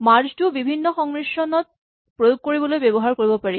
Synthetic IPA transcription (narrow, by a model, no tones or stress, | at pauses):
maɾd͡ʑtubibʱinːoxɔŋniʃonɔt̪̚ | pɾojoɡ̚koɾibolojbɛboɦaɾkoɾibopaɾi